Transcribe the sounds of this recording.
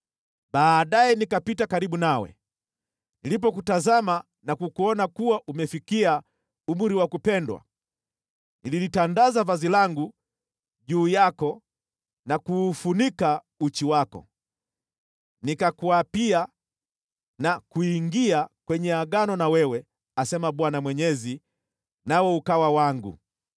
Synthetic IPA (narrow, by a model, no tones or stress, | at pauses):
baːɗajɛnikapitakaɾiɓunawɛ̰ | nilip̬ɔkutazama | nakukuɔnakuwaʔumɛfikia | umuɾiwakupɛndwa̰ | nililitandazavazilaŋɡu | ʄuːjakɔ | nakuːfunika | ut͡ʃiwakɔ̰ | nikakuapia | nakuiŋɡiakwɛɲɛaɡanɔnawɛwɛ | asɛmaɓwanamwɛɲɛzi | nawɛukawawaŋɡṵ